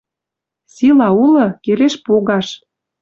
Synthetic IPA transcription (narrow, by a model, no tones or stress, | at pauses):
silɑulɤ̆keleʃpoɣɑʃ